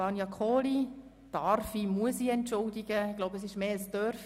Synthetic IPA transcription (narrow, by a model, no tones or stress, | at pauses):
ɑnjɑkʰoːli | d̥ɑrfimuəsiɛntːʊldɪɡəɪɡ̥loʊbɛs̬ɪʃmeːəsdœɾf